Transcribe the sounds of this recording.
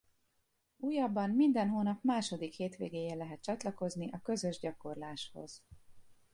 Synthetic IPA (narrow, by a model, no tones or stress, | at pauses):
uːjɒbːɒnmind̪ɛnɦoːnɒpmaːʃo̞d̪ikheːt̪ʋḛːɡeːjeːlɛɦɛt̪̚t͡ʃɒt̪lɒko̞zniʔɒkø̞zø̞ʒɟɒko̞rlaːʃho̞̰z̥